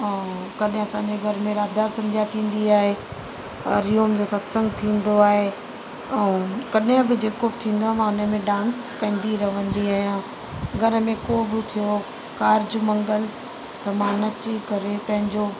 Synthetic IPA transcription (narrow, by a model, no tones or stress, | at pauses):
kɐɗɦɪ̃ɐsãːɲd͡ʑeɡʱɐɾmẽɾaːd̪ʱaːɾsɐ̃md͡ʑʱat̪ʰĩːn̆d̪iaːɦe | ɐɾijoːmd͡ʑoːsɐt̪sə̃ŋɡt̪ʰĩːnd̪oaːɦe | ɛ̃ːkɐɗɦɪ̃bɪd͡ʑeːkobɪt̪ʰĩːnd̪oaːmãːʊnəmẽɖãːnskɐ̃ĩːnd̪iɾɐʋə̃nd̪iaːijã | ɡʱɐɾəmẽkobɪt̪ʰijo | kaːɾɪd͡ʑʊmɐ̃ŋɡəl | t̪ɐmãnɐt͡ɕikɐɾepɐ̃ɦɪ̃ɲd͡ʑo